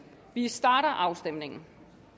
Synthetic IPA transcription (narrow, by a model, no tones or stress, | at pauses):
ʋisd̥ɑ̈ːɾɐʔɑ̈ʊsd̥em̰ne̝ŋn̩